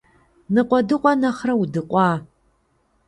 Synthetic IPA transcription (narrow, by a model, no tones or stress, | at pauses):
nɨqʷʼɔdɨqʷʼɔnɐχrɐwudɨqʷʼɑː